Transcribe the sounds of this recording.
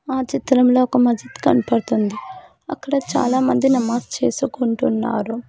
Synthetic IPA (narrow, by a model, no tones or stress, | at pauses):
aːt͡ʃit̪ɾɐmlo̞ːɔkɐmɐd͡ʒɐt̪i̥kɐnipɐɽut̪und̪i | ɐkːɐɽɐt͡ʃa̰ːlaːmɐnd̪inɐmaːst͡ʃe̞ːsukoɳʈunːa̰ːɾu